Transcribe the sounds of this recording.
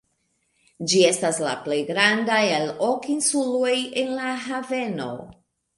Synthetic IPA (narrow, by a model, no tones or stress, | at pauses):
d͡ʒie̞stasla̰ple̞jɡɾandajelo̞kinsulo̞jenlaɦave̞no̞̰